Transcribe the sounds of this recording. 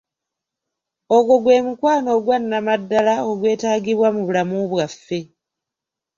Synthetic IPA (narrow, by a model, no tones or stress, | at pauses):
o̞ɡoɡwe̞ːmukwaːno̞ɡwanːamadːalao̞ɡwe̞ːtaːɡiβwamuβulamuβwafːe̞